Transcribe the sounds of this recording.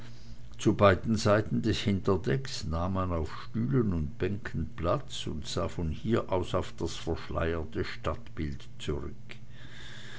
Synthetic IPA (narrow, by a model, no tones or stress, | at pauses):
t͡subaɪdn̩zaɪtn̩dɛshɪntɐdɛksnaːmːanaʊfʃtyːlənʊntb̥ɛŋkʰən̩plat͡sʊ̰ntz̥aːfɔnhiːɐʔaʊsaʊfd̥asfɛɐʃla̰ɪətəʃtatb̥ɪlt | t͡suʁʏk